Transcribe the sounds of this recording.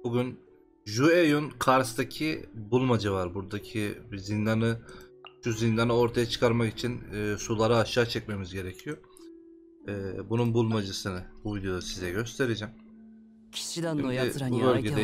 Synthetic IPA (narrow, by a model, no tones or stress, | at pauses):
buɟʲyn | ʒuejunkʰaɾst̪ʰacʰibulˠmad͡ʒɯvaɾbuɾd̪acʰibizind̪anɯʃuzind̪anɯo̞ɾt̪ʰajat͡ʃʰɯ̥kʰaɾmakit͡ʃʰinːsulˠaɾaːʃaːt͡ʃʰɛc̚me̞mizɟe̞ɾɛcʰijo | ɛːbununbulˠmad͡ʒɯsɯnɯbuvid̪jo̞d̪asizɛɟø̞st̪ʰe̞ɾed͡ʒɛmʰ | i̥ | bubølʲɟʲeɛ